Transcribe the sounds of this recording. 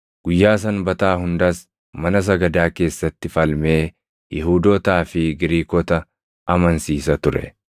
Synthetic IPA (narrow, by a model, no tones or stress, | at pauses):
ɡ̥ʊjːaːs̬ɐnbɐt̪aːhʊnd̪ɐs | mɐnɐs̬ɐɡɐd̪aːke̞ːsːɐt̪ːɪfɐlme̞ː | jɛhuːd̪ɔːt̪aːfɪɡɪɾiːkɔt̪ɐ | ɐmɐnsiːsɐt̪ʊɾɛ̰